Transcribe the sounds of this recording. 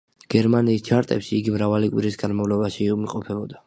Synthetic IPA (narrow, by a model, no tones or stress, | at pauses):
ɡ̥ɛɾmaniːst͡ʃʰaɾt̪ʼɛ̰pʃiːɡimɾavalikʼwiɾisɡanmavlɔbaʃiumiqʼɔpʰɛbɔd̪a